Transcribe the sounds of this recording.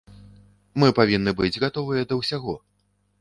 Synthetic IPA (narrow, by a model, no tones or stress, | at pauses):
mɨpavʲinːɨbɨd͡zʲɣat̪ɔvɨjɐd̪ɐwsʲaɣɔ